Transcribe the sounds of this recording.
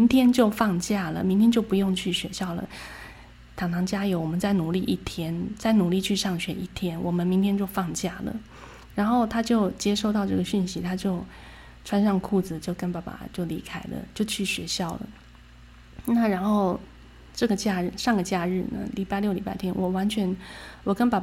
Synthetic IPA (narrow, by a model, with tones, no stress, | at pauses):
mi˧˥ŋt̪ʰjɛ˥nt͡ɕjo˥˧ʊfɑ˥˧ŋt͡ɕja˥˩lə̰˩mi˧˥ŋt̪ʰjɛ˥nt͡ɕjo˥˩ʊpu˧˥jʊ˥˧ŋt͡ɕʰy˥˩ɕɥɛ˧˥ɕjɑ˥˩ʊlə̰˩ | t̪ʰɑ˨˩ŋt̪ʰɑ˧˥ŋt͡ɕja˥jo˧˥wɔ˨˩mə˦nt͡sa˥˩ɪnu˨˩li˥˧ʔi˥˩t̪ʰjɛ˥nt͡sa˥˩ɪnu˨˩li˥˧t͡ɕʰy˥˧ʂɑ˥˩ŋɕɥɛ˧˥i˥˩t̪ʰjɛ˥nwɔ˨˩mə˦nmi˧˥ŋt̪ʰjɛ˥nt͡ɕjo˥˧ʊfɑ˥˧ŋt͡ɕja˥˩lə̰˩ | ɻa˧˥nxo˥˩ʊt̪ʰa˥t͡ɕjo˥˧ʊt͡ɕjɛ˥ʂo˥˧ʊt̪ɑ˥˧ʊʈ͡ʂɤ˥˩ɡə˩ɕy˥˩nɕi˧˥t̪ʰa˥t͡ɕjo˥˩ʊ | ʈ͡ʂʰwa˥nʂɑ˥˧ŋkʰu˥˩d͡zɹ̩˨˩t͡ɕjo˥˩ʊkə˥npa˧˥˩pa̰˨˩t͡ɕjo˥˩ʊli˧˥kʰa˥ɪlə̰˨t͡ɕjo˥˧ʊt͡ɕʰy˥˩ɕɥɛ˧˥ɕjɑ˥˩ʊlə̰˩ | na˥˩ɻa˧˥nxo˥˧ʊ | ʈ͡ʂɤ˥˩ɡə˩t͡ɕja˥˧ɻ̩˥˩ʂɑ˥˩ŋɡə˩t͡ɕja˥˧ɻɻ̩˥˩nə̰˩li˧˥pa˥˧ɪljo˥˩li˧˥pa˥ɪt̪ʰjɛ˥nwɔ˨˩wa˧˥nt͡ɕʰɥɛ˧˥nwɔ˨˩kə˥npa˨˩